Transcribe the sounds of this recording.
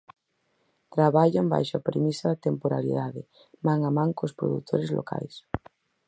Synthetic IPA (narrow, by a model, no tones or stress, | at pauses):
t̪ɾaβaʎamba̰jʃʊapɾemisaðat̪empoɾaɾḭðaðɪ | mãŋamãŋkospɾo̰ðṵt̪ʰoɾezlo̰ka̰js